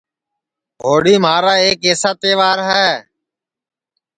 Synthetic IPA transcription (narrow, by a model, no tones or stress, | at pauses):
ɦoːɽiːmaːɾaːeːkeːsaːt̪eːʋaːɾɦɛː